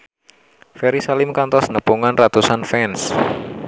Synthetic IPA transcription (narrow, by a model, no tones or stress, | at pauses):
fɛɾisalɪmkant̪ɔsnəpuŋanrat̪usanfɛns